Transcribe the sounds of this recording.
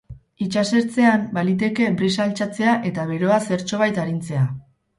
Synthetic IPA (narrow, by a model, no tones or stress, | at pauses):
it͡ʃase̞ɾt͡se̞ambalit̪̬e̞ke̞bɾisalt͡sat͡se̞aʔe̞t̪aβ̞e̞ɾo̞ase̞ɾt͡so̞β̞ajt̪aɾint͡se̞a